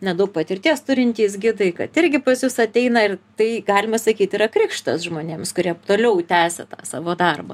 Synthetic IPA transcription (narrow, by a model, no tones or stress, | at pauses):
nʲɛd̪ɐʊk̚pɐt̪ʲɪɾʲt̪ʲiɛst̪ʊɾʲɪnʲt̪ʲiːs̬ɡʲɪd̪ɐɪkɐt̪ɪɾʲɡʲɪpɐsjʊsɐt̪ʲɛɪnɐɪrt̪ɐɪɡɑːlʲɪmɐsɐkʲiːt̪ɪːɾɐkɾʲɪkʃt̪ɐsʒmoːnʲeːmskʊɾʲiɛt̪oːlʲɛʊt̪ʲæːsʲɛ̰t̪ɑ̰ːsɑ̰ːʋoːd̪ɐrbɐ